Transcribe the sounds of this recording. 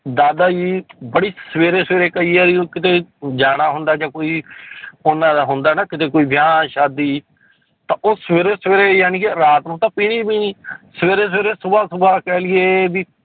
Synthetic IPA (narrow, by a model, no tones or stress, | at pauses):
d̪aːd̪aːd͡ʒiːbəɽiːssəʋeːɾeːsʋeːɾeːkəiːɛːɾiːokɪt̪eːd͡ʒaːɽaːɦʊnd̪aːd͡ʒãːkoːiːʊnːãːd̪aːɦʊnd̪aːnaːkɪt̪eːkoːiːbɪjãːʃaːd̪iː | t̪ãːʔoːsʋeːɾeːsəʋeːɾeːjaːniːkɪɾaːt̪nũːt̪ãːpiːniːpiːniːsəʋeːɾeːs̬ʋeːɾeːsʊbaːsʊbaːkɛːlɪeːbiː